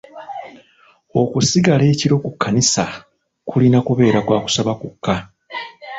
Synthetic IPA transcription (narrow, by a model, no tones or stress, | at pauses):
o̞kusiɡale̞ːciɾo̞kukːanisa | kʰulinakuβe̞ːɾakwaːku̥saβakukʰːa